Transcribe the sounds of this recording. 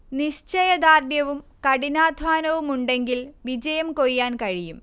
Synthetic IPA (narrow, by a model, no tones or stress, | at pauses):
niɕt͡ɕɐjɐd̪aːrdjɐʋumkɐɽinaːd̪ʱʋaːnɐʋumuɳɖe̞ŋɡilʋid͡ʑɐjɐmko̞jːaːnkɐɻijum